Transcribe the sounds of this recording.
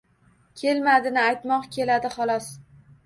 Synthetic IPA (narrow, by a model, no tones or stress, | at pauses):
kʲʰe̞lmad̪ɪnɪajt̪mɒqkʲʰe̞lad̪ɪχɒlˠɒs